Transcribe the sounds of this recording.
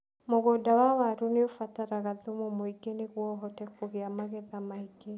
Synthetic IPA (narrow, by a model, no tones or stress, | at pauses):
moɣodawawaɾuneofataɾaɣaðumomoiɡeneɣwɔɦɔtɛkoɣeamaɣɛðamaiɡ̥e